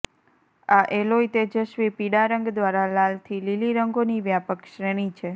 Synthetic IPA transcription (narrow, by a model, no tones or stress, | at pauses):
aʔeloit̪ed͡ʒəʃʋipiɽaɾəŋɡd̪ʋaɾalalt̪ʰililiɾəŋɡoniʋjapəkʃɾeɽ̃it͡ʃʰe